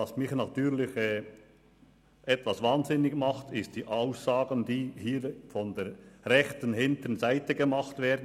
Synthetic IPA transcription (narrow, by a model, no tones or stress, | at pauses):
ɑsmɪçnɑtyːʁlɪçɛː | ʔɛtv̥ɑsvaːnzɪnɪɡmɑχtʰɪst̚d̥iːʔaʊszɑːɡəndiːhiːɾfɔndɛːʁɛxtənhɪntənzaɪtəɡəmɑχtv̥ɛːdn̩